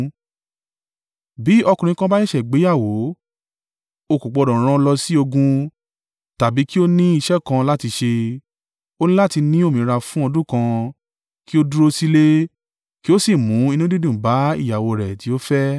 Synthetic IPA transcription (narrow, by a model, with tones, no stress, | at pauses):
bi˨˦ɔ˧kũ˨ĩ˧˦kã˦ba˦ɛ˦ʃɛ˨ɡ͡be˨˦ja˦˨wo˨˦ | o˧ku˨k͡pɔ˨˧dɔ̃˨ɾ̃ã˧lɔ˧si˦o˧ɡũ˧ | ta˨bi˨˦ki˦o˦nĩ˦i˧ʃɛ˦kã˧la˦ti˧ʃe˧ | o˦nĩ˦la˦ti˧nĩ˦o˦˨mĩ˨˧ɾa˧fũ˦ɔ˧dũ˦kã˧ | ki˦o˦du˦ɾo˧si˦le˦ | ki˦o˦si˦˨mũ˨˦i˧nũ˦di˦dũ˦˨ba˨˦ḭ˦˨ja˨wo˧ɾɛ˨ti˨˦o˦fɛ˦